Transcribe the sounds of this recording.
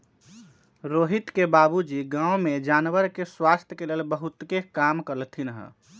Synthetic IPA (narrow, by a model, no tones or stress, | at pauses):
ɾoɦit̪kebabud͡ʒiɡãwmed͡ʒanʋəɾkeswast̪ʰjəkelelbəɦut̪kekamkəɾəlt̪ʰinɦə̰